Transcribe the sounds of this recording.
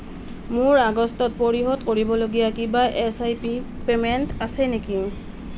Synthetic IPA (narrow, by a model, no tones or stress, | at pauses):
mʊɹaɡɔstɔt̚poɹiɦɔdkoɹibɔloɡijakibaʔesajpipementasɛneki